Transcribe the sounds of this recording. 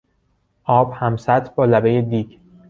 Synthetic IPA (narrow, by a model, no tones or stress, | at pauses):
ʔɒːb̥hæmsæt̪ʰbɒːlæbejed̪iːɟ